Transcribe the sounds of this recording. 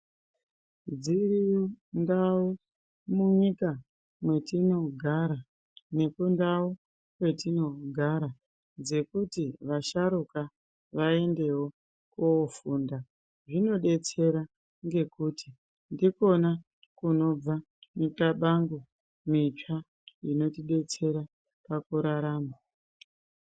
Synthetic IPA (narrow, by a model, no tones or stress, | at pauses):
d͡zirijondao | muɲika | mwe̞tino̞ɡʱaɾa | ne̞kundawo | kwe̞tino̞ɡʱaɾa | d͡ze̞kutiʋaʃaɾuka | ʋae̞nde̞wo̞ | kofuːnda | ʐino̞ɗe̞t͡se̞ɾa | ŋɡe̞kuti̥ | ndiko̞na | kuno̞b͡va | mutaɓaŋɡu | mit͡ʂa | ino̞tiɗe̞t͡se̞ɾa | pakuɾaɾaːma